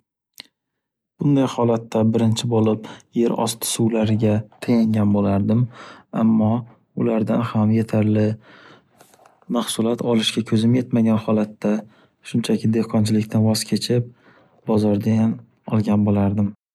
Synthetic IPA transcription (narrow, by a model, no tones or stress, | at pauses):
b̥ʊnd̪ajhɒlat̪ːabɪɾɪnt͡ʃʰɪbolɪpje̞ɾɒ̰st̪ʰɪ̥suwlaɾɪɡʲat̪ʰajaŋɡʲanbolaɾd̪ɪma̰mːɒ | ʊlaɾd̪anhamje̞t̪ʰaɾlɪ | maχsʊlˠat̪ʰɒlˠɪʃɡʲakʲʰɵzɪmje̞t̪maɡʲanhɒlat̪ːa | ʃʊnt͡ʃʰakʲʰɪd̪e̞hqʰɒnt͡ʃʰɪlɪkʲt̪ʰanvɒz̥kʲʰe̞t͡ʃʰɪp̚ | bɒzɒɾd̪ajan | ɒ̰lˠɡʲanbolaɾd̪ɪm